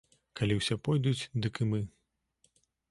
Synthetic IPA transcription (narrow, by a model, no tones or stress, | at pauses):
kalʲiwsʲɛpɔjd̪ut͡sʲd̪ɨkɨmɨ